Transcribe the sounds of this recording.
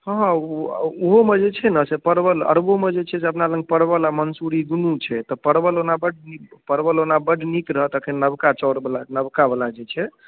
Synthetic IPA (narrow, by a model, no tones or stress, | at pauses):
ɦɦoɦomed͡ʒet͡ʃʰɛnəsepəɾbələ̰ɾbomed͡ʒet͡ʃʰɛs̬eəpnaləŋɡ̚pəɾbəlamənsuɾiɡ̪unut͡ʃʰɛt̪ɔpəɾbəlonabəɖnipəɾbəlonabəɖnik̪ɾəɦət̪əkʰennəbkat͡ʃəɽblanəbkabəlad͡ʒet͡ʃʰɛ